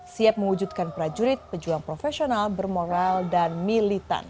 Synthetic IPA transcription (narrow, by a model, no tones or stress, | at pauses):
siap̚məŋwud͡ʒut̪̚kanpɾad͡ʒuɾit̪̚pəd͡ʒuaŋpɾofesionalbərmoɾaldanmilit̪a̰n